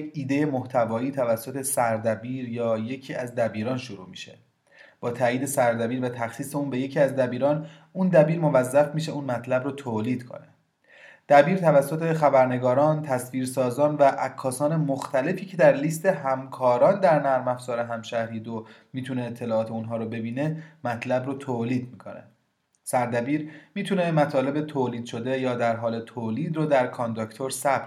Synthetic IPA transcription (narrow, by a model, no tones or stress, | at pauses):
jeiːd̪e̞jemo̞ht̪ʰævɒːiːt̪ʰævæsːot̪ʰe̞sæɾd̪æbiːɾjɒːje̞cʰiːæzd̪æbiːɾɒːnʃoɾuːmiːʃḛ | b̥ɒːt̪ʰæːjiːd̪e̞sæɾd̪æbiːɾvæt̪ʰæxsiːse̞uːnbe̞je̞cʰiːæzd̪æbiːɾɒːn | und̪æbiːɾmo̞væzːæfmiːʃe̞uːnmæt̪ʰlæbɾot̪ʰoːliːd̪̥kʰo̰ne | d̪̥æbiːɾt̪ʰævæsːo̞t̪ʰe̞xæbæɾne̞ɡɒːɾɒːnt̪ʰæsviːɾsɒːzɒːnvæʔækʰːɒːsɒːne̞moxt̪ʰæle̞fiːcʰe̞d̪æɾliːst̪e̞ɦæmkʰɒːɾɒːnd̪æɾnæɾmæfz̥ɒːɾe̞ɦæmʃæɾiːd̪omiːt̪ʰuneːt̪ʰːe̞lɒːɒːt̪ʰe̞unɦɒːɾobe̞biːne̞mæt̪ʰlæbɾot̪ʰoːliːd̪̚miːkʰonḛ | sæɾd̪æbiːɾmiːt̪ʰune̞mæt̪ʰɒːle̞be̞t̪ʰoːliːd̪ʃo̞d̪e̞jɒːd̪æɾɦɒːle̞t̪ʰoːliːd̪ɾoːd̪æɾkʰond̪ocʰt̪ʰoɾsæb